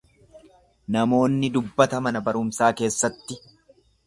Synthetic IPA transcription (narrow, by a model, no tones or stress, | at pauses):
nɐmo̞ːnːɪd̪ʊbːɐt̪ɐmɐnɐbɐɾʊmsaːke̞ːsːɐt̪ːɪ